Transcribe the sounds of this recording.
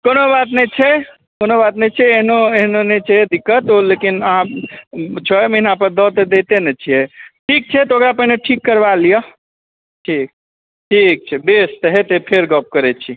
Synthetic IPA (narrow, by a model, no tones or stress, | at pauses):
konobat̪nɛt͡ʃʰɛ | konobat̪nɛt͡ʃʰɛːɦnoeɦnonet͡ʃʰɛed̪ikːət̪olekinəɦã | t͡ʃʰəjməɦinãpəɾd̪ɔt̪ed̪et̪enɛt͡ʃʰijɛʈʰik̚t͡ʃʰɛt̪ɔokɾapəɦineʈʰikːəɾbalijə | ʈʰik̚ | ʈʰik̚t͡ʃʰɛbest̪ɦɛt̪epʰeɾɡəp̚kəɾɛt͡ʃʰi